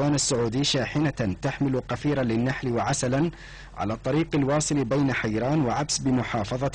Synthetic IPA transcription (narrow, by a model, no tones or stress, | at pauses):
aːnasːʊʕuːd̪ɪːʃaːħɪnat̪aħmɪlʊqɑfiːɾalɪnːaħlwaʕasalan | ʕa̰laːt̪ˤːɑɾiːqalwɑːsˤɨlbajnaħajɾaːnwaʕabsbɪmʊħɑːfɑðˤɑ